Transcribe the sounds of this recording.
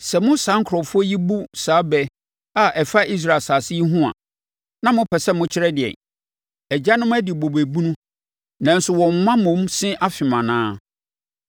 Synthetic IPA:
sɛ˨mʊ̃˦saː˨˦ŋ̩˦kʰɾɔ˨fʊ˦ɔ˦ji˦bu˦saː˨˦bɛ˦ | a˨ʔɛ˨fa˦ʔi˦s̬ɾa˦˨e˨saː˨sɪ˦i˦ɦũ˦ã̰˨ | nã˦mʊ̃˦pʰɛ˨sɛ˦mʊ̃˦t͡ɕʰɪ˦ɾɛ˦dɪ˨ɛ̰˨ | ɛ˨d͡ʑa˦nʊ̃˦m˦æ˦dɪ˨bo˨be˨bu˦nũ˦ | nã˨n̩˦sʊ˨wɔ̃˨m˨˦mã˦mʊ̃˨˦msɪ̃˦ʔa˦fɪ˨mã˨nãː˦

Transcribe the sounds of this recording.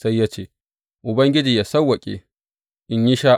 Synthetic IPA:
sa˦jːa˦t͡ʃeː˨ | ʔʊ˨bɐ˦ŋɡʲɪ˦d͡ʒiː˨ja˨sɐ˦wːɐ˨kʲʼḛ˨ | ʔɪ˨ɲji˦ʃaː˦

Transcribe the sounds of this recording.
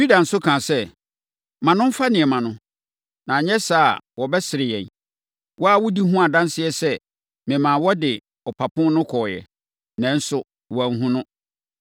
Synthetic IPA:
si˦da˨n̩˨sʊ˦kʰãː˨sɛ˦ | mã˨nʊ̃˦m̩˦fa˦nɪ̃˨ɛ˨mã˨nʊ̃˦ | nã˨ɲɛ˦saː˦˨wɔ˨bɛ˦sɪ˨ɾɪ˨jɛ̰̃˨n | wʔɔ˦a˦wʊ˦di˦ɦũ˦a˨dã˦n˦sɪ˦ɛ˦sɛ˦ | mɪ̃˨mãː˨wɔ˦dɪ˨ | ɔ˨pʰa˨pʰʊ̃˦nʊ̃˦kʰɔː˨jɛ̰˨ | nɛ̃˨n̩˦sʊ˦ | wɔ˨ŋ̩˦ɦũ˦nʊ̃˦

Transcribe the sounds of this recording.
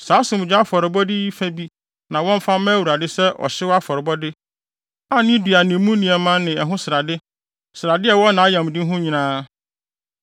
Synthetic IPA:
saː˨˦sʊ̃˨m˨d͡ʑᶣa˦a˦fɔ˨ɾɪ˨bɔ˦di˦i˦fæ˦bi˦ | nã˨wɔ̃˦m̩˦fã˦mã˦æ˦wu˨ɾa˨dɪ˦sɛ˦ʔɔ̰˨ɕɪ˦wa˦fɔ˨ɾɪ˨bɔ˦dɪ˦ | a˦nɪ̃˦di˨a˨nĩ˨mũ˦nĩ˨ɛ˨mã˦nɪ̃˨ɛ˨ɦʊ̃˦sɪ˨ɾa˨dɪ˦ | sɪ˨ɾa˨dɪ˦ɛ˨wɔ̃˦nã˨a˦jã˨m˨dɪ̃˦ɦʊ̃˦ɲĩ˨nãː˦

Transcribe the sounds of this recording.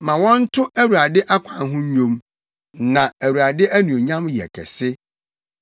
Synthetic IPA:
mã˨wɔ̃˦n̩˦tʰʊ˦ʔæ˦wu˨ɾa˨dɪ˦ʔa˦kʷʰã˨n˦ɦʊ̃˦ɲ˦ɲõ˦m | nã˨æ˨wu˨ɾa˨dɪ˦æ˦nũ˨o˨ɲã˦mjɛ̰˨kʰɛ̰˨sɪ˦

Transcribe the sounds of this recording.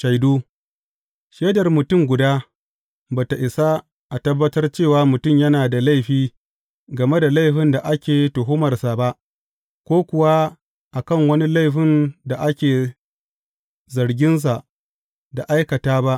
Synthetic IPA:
ʃa˨jduː˦ | ʃeː˦dɐ˨rmʊ˨tʊ˦˨ŋɡʷʊ˨daː˦ | baː˨ta˨ʔɪ˨sa˦ | ʔa˨tɐ˦bːɐ˦tɐ˦rt͡ʃeː˦˨waː˨˦mʊ˨tʊ˦˨mjɐ˦naː˨da˨la˦˨jɸiː˦ | ɡɐ˨me˦da˨la˦jɸɪ˦nda˨ʔa˦kʲeː˨tʊ˨ɦʊ˦mɐ˨rsa˨ba˦ʔ | kʷoː˦kʷʊ˨wa˦ | ʔa˨kɐ˦˨ŋwɐ˦ni˦la˦˨jɸɪ˦nda˨ʔa˦kʲeː˨ | zɐ˨ɾɡʲɪ˦ns̬a˨ʔ | da˨ʔa˦jkɐ˨taː˦ba˦ʔ

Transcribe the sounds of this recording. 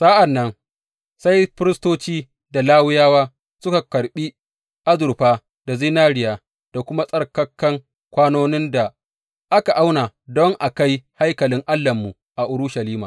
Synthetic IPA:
saː˦ʔa˨nːɐ˦n | sa˦jɸɪ˦ɾɪ˦stoː˦t͡ʃiː˦ | da˨laː˦wɪ˦jaː˦waː˦ | sʊ˦ka˨kɐ˨ɾɓi˦ | ʔa˦zʊ˨ɾɸaː˦ | d̥a˨zi˦naː˦ɾɪ˨jaː˨ | d̥a˨kʷʊ˦ma˦sʼɐ˦rkɐ˦kːɐ˦ŋ | kʷaː˦noː˦nɪ˦nda˨ | ʔa˦ka˨ʔa˦wnaː˨dɔ˦ŋʔa˨ka˦jha˦jkɐ˨lɪ˦ŋʔa˦lːɐ˨mːu˨ | ʔa˨ʔʊ˦ɽʊ˦ʃa˨liː˦ma̰˨

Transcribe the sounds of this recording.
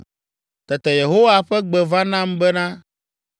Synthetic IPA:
t̪ɛ˨t̪ɛ˨je˨ɦo˦wa˨ɸɛ˦ɡ͡bɛ˨vã˦nã˦mbɛ˦nã˦

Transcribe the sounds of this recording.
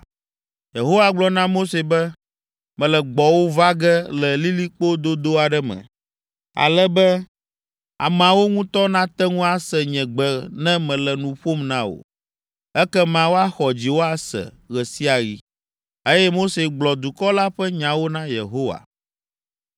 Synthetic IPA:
je˨ɦo˦wa˨ɡ͡blɔ˨nã˦mo˦se˨bɛ˦ | mɛ̃˨lɛ˨ɡ͡bɔ˨wo˦va˦ɡɛ˦lɛ˨li˦li˦k͡po˦d̪o˦d̪o˦a˨ɖɛ˦mɛ̰̃˨ | a̰˨lɛ˦bɛ˦ | a̰˨mã˨wo˦ŋũ˦t̪ɔ˦nã˦t̪ɛ˦ŋũ˦a˨sɛ˨ɲɛ̃˨ɡ͡bɛ˨nɛ̃˦mɛ̃˨lɛ˨nũ˨ɸo˦mnã˦wo̰˨ | ɛ˦kɛ˦mã˨wo˦a˦xɔ˨d͡ʑi˨wo˦a˦sɛ̰˨ | ɣɛ˨si˦a˨ɣi˦ | e˦jɛ˦mo˦se˨ɡ͡blɔ˨d̪u˨kɔ˦la˦ɸɛ˦ɲã˨wo˦nã˦jḛ˨ɦo˦wa̰˨

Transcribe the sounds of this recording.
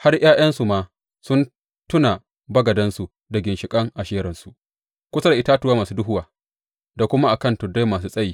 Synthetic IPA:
ha˦rj̰aː˦j̰ɐ˦nsu˨maː˨ | sʊ˦n | tʊ˦na˨ | bɐ˦ɡɐ˨dɐ˦nsu˨ | dɐ˨ɡʲɪ˨nʃɪ˨kʼɐ˦ŋʔa˨ʃeː˦ɾɐ˨nsu˨ʔ | kʷʊ˦sa˦da˨ɪ˦taː˦tʊ˨˦waː˦maː˨suː˦dʊ˦ɦʊ˦waː˨ | da˨kʷʊ˦ma˦ʔa˨kɐ˦˨ntʊ˨da˦maː˨s̬uː˦sʼɐ˦jiː˦

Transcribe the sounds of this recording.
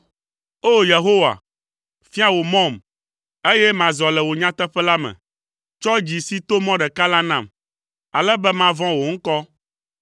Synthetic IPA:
o˦je˨ɦo˦wa̰˨ | fi˦a˦wo˨mɔ̃˦˨m | e˦jɛ˦mã˨zɔ˨lɛ˨wo˨ɲã˦t̪ɛ˦ɸɛ˦la˦mɛ̰̃˨ | t͡ʃɔ˦d͡ʑi˨si˦t̪o˦mɔ̃˦ɖɛ˨ka˦la˦nã˨m | a˨lɛ˦bɛ˦mã˦vɔ̃˦wo˨ŋ̩˦kɔ˦

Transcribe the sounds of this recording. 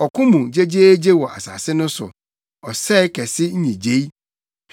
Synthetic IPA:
ɔ˨kʊ̃˦mũ˨d͡ʑe˦d͡ʑeː˦d͡ʑe˦wɔ˨ʔa̰˨sa̰ː˨sɪ˦nʊ̃˦sʊ̰˨ | ɔ˨sɛ˦ɪ˦kʰɛ˨sɪ˦ɲ̩˦ɲĩ˨d͡ʑe˦i˦

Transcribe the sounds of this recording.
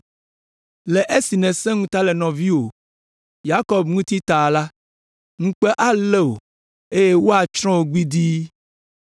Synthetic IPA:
le˨ʔe˦si˨nɛ̃˨sɛ̃˦ŋũ˦t̪a˦lɛ˨nɔ̃˨vi˦wo˨ | ja˦kɔ˨bŋũ˦t̪i˦t̪a˨la˦ | ŋũ˦k͡pɛ˦ʔa˦le˦o˨ | e˦je˦wo˦a˨t͡ʃɾ̃ɔ̃˦wo˨ɡ͡bi˦d̪i˦

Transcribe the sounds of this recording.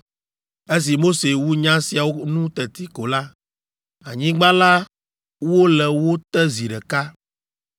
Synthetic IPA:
e˦s̬i˨mo˦se˨wu˦ɲã˦si˨a˨wo˦nũ˦t̪ɛ˨t̪i˦ko˨la˦ | a˨ɲĩ˦ɡ͡ba˦la˦ | wo˦lɛ˨wo˦t̪ɛ˦zi˨ɖɛ˨ka˦

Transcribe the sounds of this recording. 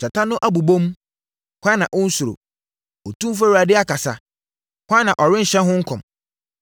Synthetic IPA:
t͡ɕɛ˨tʰã˦nʊ̃˦ʔa˦bu˨bõ˦m | kʷã˦nã̰˨ʔʊ̃˦n̩˦su˨ɾo̰˨ | ɔ˨tũ˦m˦f̬a˦wu˨a˨dɪ˦a˦kʰa˨sa̰˦ | kʷã˦nã˨ʔɔ˨ɾɪ̃˦n̩˨ɕɛ̃˦ɦʊ̃˦ŋ̩˦kʰɔ̃˨m

